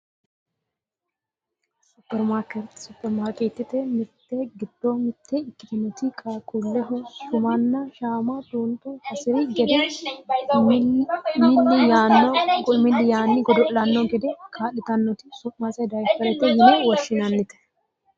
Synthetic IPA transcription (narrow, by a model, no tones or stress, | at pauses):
sʊpːɛɾmaːɾkɛt̪sʊpːɛɾmaːɾkʼet̪ːɪt̪ɛmɪt̪ːɛɡɪd̪̥ːomɪt̪ʰːɛɪkːɪd̪ɪnːɔt̪ɪkʰʼɐkʼʊlːɪɦɛʃʊmɐnːɐʃaːmɐt̪uːnt̪ʼːɔhɐsɪɾɪɡɛd̪ɛ | mɪlːɪjaːnːɔɡɔmɪlːɪjaːnːɪɡɔd̪ɔlɐnːɔɡɛd̪ɛkʰaːlːɪt̪ɐnːɔt̪ɪsʊʔmɐsɐd̪ɐjfɐɾɛt̪ːɛjɪnɛwɔʃːɪnɐnːɪt̪ɛ̥